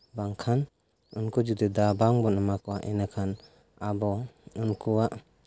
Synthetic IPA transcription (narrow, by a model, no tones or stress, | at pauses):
baŋkʰan | ɯnkɔd͡ʒud̪id̪abaŋbɔnəmakɔwaʔinakʰan | abɔɯnkʰuwaʔ